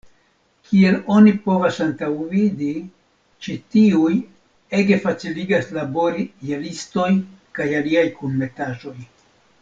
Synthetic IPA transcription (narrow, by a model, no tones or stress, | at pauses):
kʰie̞lo̞nipo̞vasantawvidi | t͡ʃitiuj | e̞ɡe̞fat͡siliɡaslabo̞ɾijelisto̞jnkajaliajkunme̞taʒo̞j